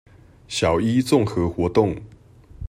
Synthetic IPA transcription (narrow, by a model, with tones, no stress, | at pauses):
ɕjɑ˨˩ʊi˦t͡sʊ˥˨ŋxɤ˧˦xwɔ˧˥t̪ʊ˥˨ŋ